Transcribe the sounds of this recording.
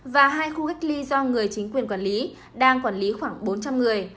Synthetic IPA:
vaː˨˩ɦaː˧jxu˧xa˦˥jk̟̚li˧zɔ˧ŋɨ˨˩əjt͡ɕï˨˦ŋ̟kwi˨˩ənkwaː˧˩nli˨˦ | ɗaː˧ŋkwaː˧˩nli˨˦xwaː˧˩ŋɓo˨˦nt͡ɕa˧mŋɨ˨˩əj

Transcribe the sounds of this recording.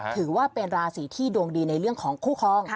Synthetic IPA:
t̪ʰɯː˩˦waː˥˩pe˧nɾaː˧siː˩˦t̪ʰiː˥˩du˧ŋdiː˧na˧jɾɯ˥˩əŋkʰɔː˩˦ŋkʰuː˥˩kʰɔː˧˩ŋ

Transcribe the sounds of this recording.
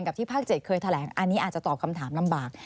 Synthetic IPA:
nka˨˩t̪ʰiː˥˩pʰaː˥˩k̚t͡ɕe˨˩t̪̚kʰɤː˧jt̪ʰa˧lɛː˩˦ŋʔa˧nːiː˦˥ʔaː˨˩t͡ɕa˨˩t̪ɔː˨˩p̚kʰa˧mt̪ʰaː˩˦mla˧mbaː˨˩k̚

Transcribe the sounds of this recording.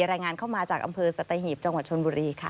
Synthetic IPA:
ɾaː˧jŋaː˧nkʰa˥˩wmaː˧t͡ɕaː˨˩k̚ʔa̰˧mpʰɤː˧sa˧t̪a˧ɦiː˨˩p̚t͡ɕa˧ŋwa˨˩t̪̚t͡ɕʰo˧nbuː˧ɾiː˧kʰa̰˥˩

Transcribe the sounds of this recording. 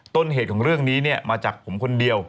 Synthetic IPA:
t̪o˧nɦeː˨˩kʰɔː˩˦ŋɾɯ˥˩əŋniː˦˥ni˥˩ɐmaː˧t͡ɕaː˨˩k̚pʰo˩˦mkʰo˧ndi˧əw

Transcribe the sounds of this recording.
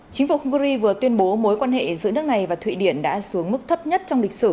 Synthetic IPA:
t͡ɕï˨˦ŋ̟fu˧˩hʊ˧ŋ͡mkɨ˧zi˧vɨ˨˩ət̪wi˧ənɓo˨˦mo˨˦jkwaː˧nhḛ˧˨zɨ̰˧˨nɨ˦˥ək̚na˨˩jvaː˨˩t̪ʰwḭ˧˨ɗi˧˩ənɗa̰ː˧˥su˨˦əŋmɨ˦˥k̚t̪ʰə˦˥p̚ɲə˦˥t̚t͡ɕɔ˧wŋ͡mlï˨˩k̟̚sɨ˧˩

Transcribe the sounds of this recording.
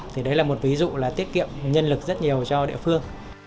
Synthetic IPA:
t̪ʰi˨˩ɗə˨˦jlaː˨˩mo˨˩t̚vi˨˦zṵ˧˨laː˨˩t̪i˦˥ət̚kḭ˧˨əmɲə˧nlɨ˨˩k̚zə˦˥t̚ɲi˨˩əwt͡ɕɔ˧ɗḭ˧˨əfɨ˧əŋ

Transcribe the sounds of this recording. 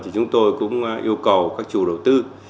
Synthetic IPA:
t̪ʰi˨˩t͡ɕʊ˨˦ŋ͡mt̪o˧jkʊ̰˧˥ŋ͡mʔi˧əwkə˨˩wkaː˦˥k̚t͡ɕṵ˨˧˩ɗə˨˩wt̪ɨ˧

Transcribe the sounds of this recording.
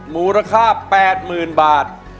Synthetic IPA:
muː˨˦ɾa˧kʰaː˥˩pɛː˨˩t̪̚mɯː˨˩nbaː˨˩t̪̚

